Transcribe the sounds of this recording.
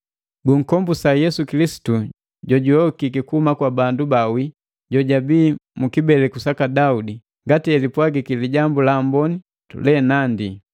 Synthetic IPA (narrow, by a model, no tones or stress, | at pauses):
ɡuŋ̩kɔmbusajɛsukilisi̥tu | ɟɔɟuɔkikikuhumakwabandubawi | ɟɔɟabiːmukibɛlɛkusakadaudi | ŋɡatiɛlipwaɡikiliɟambulambɔni | tṵlɛnandi